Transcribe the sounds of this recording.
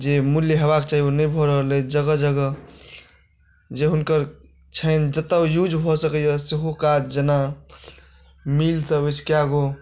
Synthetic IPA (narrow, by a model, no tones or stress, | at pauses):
d͡ʒemuljəɦəβaket͡ʃaɦionəjbʱɔɾəɦled͡ʒəɡəd͡ʒəɡə | d͡ʒeɦunkəɾ | t͡ʃʰənd͡ʒət̪ːajud͡ʒbʱɔsəkəjəseɦokad͡ʒd͡ʒəna | milsəbət͡ʃʰkjaɡo